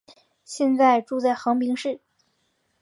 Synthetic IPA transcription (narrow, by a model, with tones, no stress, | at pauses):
ɕjɛ˥˧nt͡sa˥˧ɪʈ͡ʂu˥˧t͡sa˥˩ɪxɤ˧˥ŋpi˧˥ŋʂɻ̩˥˩